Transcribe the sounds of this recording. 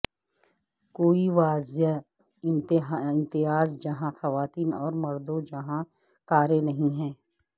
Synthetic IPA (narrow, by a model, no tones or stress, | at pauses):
koːiʋaːzja | ɪ̃mt̪ɦɪ̃nt̪ɪɦaːzd͡ʒɐɦãxɐʋaːt̪iːnɔ̰ːɾmɐɾd̪õd͡ʒɐɦã | kaːɾenɐɦĩɦɛː